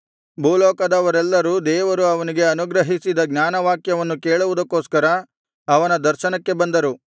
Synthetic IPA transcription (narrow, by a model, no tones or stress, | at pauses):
bʱuːlɔːkɐd̪ɐʋɐɾɛlːɐɾud̪ɛːʋɐɾuɐʋɐniɡe̞ɐnuɡɾɐɦisid̪ɐɡnʲaːnɐʋaːkjɐʋɐnːukeːɭuʋud̪ɐkːoːskɐɾɐ | ɐʋɐnɐd̪ɐɾʃɐnɐkːe̞bɐnd̪ɐɾu